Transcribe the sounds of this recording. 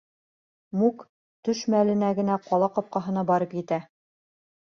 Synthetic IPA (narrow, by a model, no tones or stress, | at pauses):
muk | t̪ɵʃmælɘ̆næɡɘ̆næqɒlˠɑqɒp̚qɑɦɤ̆nɑbɑɾɤpjɘ̆t̪æ